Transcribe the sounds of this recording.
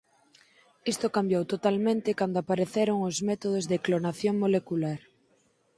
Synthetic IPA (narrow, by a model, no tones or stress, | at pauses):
ist̪okambjowt̪ot̪almẽnt̪ɪkand̪oapaɾeθeɾoŋozmɛt̪oð̞ozðeklonaθjoŋmolekulaɾ